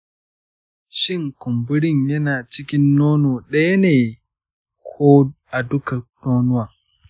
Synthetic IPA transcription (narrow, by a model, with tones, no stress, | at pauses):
ʃɪ˦ŋkʊ˨mbʊ˦ɽɪ˦ɲjɐ˦naː˨t͡ʃɪ˦kʲɪ˦nːoː˦noː˨ɗɐ˦ja˦neː˨ | kʰoː˦ʔa˨dʊ˦ka˨noː˦nʊ˦wa˨